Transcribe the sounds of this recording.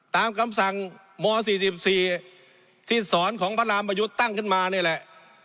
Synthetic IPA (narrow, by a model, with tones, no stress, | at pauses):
t̪aː˨˧mkʰa˧msa˨˩ŋ | mɔː˧s̬iː˨˩si˨˩p̚siː˨˩ | t̪ʰiː˥˩sɔː˩˦nkʰɔː˩˦ŋpʰa˧˥laː˧mpa˧ju˦˥t̪ːa˥˩ŋkʰɯ˥˩nmaː˧niː˥˩lɛ˨˩ʔ